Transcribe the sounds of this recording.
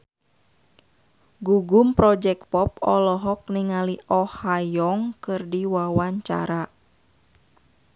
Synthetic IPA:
ɡuɡumpɾɔd͡ʒɛk̚pɔpɔlɔɦɔk̚niŋaliʔɔhajɔŋkɨrdiwawaɲt͡ʃa̰ɾa

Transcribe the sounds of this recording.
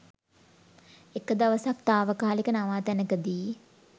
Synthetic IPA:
ekːəd̪aʋəsak̚t̪aːʋəkaːlikənaʋaːt̪ænəkəd̪iː

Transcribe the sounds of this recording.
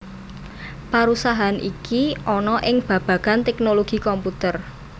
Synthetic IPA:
paɾusaɦanʔikiʔɔnɔʔɪŋb̥ä̤b̥ä̤ɡ̥ant̪ɛknoloɡ̥i̤kɔmput̪ər

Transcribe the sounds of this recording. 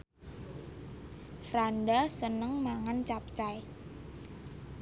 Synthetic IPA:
fɾandasənəŋmaŋant͡ʃap̚t͡ʃaj

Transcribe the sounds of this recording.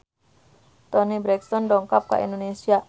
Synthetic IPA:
t̪ɔnibɾɛkst̪ɔndɔŋkap̚ka̰ʔḭndonesia

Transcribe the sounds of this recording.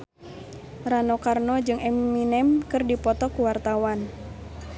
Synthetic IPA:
ranokarnɔd͡ʒɨŋɛmːinɛmkɨrdipɔt̪ɔkuwart̪awan

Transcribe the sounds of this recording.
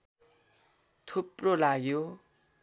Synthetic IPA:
t̪ʰuprolaɡjo

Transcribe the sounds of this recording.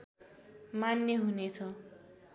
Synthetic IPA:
manjeɦunet͡sʰʌ

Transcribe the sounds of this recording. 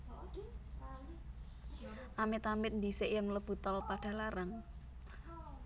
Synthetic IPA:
ʔamɪt̪amɪt̪̚nd̪isɪʔjəŋləb̥ṳt̪ɔlpaɖ̥a̤laɾaŋ

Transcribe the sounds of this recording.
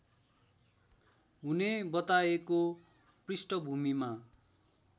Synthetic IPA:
ɦunebʌt̪aeko | prisʈʌbʱumima

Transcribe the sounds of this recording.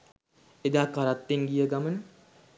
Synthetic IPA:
ed̪aːkaɾat̪ːeŋɡijəɡamənə

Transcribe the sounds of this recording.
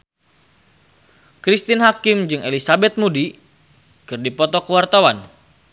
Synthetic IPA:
kɾist̪inɦakimd͡ʒɨŋelisabɛt̪̚mudi | kɨrdipɔt̪ɔkəwart̪awan

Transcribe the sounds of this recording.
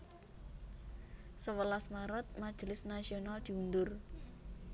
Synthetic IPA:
səwəlasmaɾət̪̚mad̥ʒ̥lɪsnasionald̪̥i̤und̪ʊr

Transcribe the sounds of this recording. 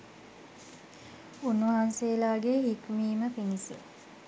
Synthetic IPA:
unːuʋɐɦanseːlaːɡeɦikmiːməpinise

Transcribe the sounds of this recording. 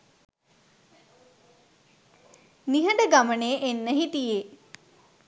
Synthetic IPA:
niɦəɳɖəɡaməneːʔenːəɦit̪ije

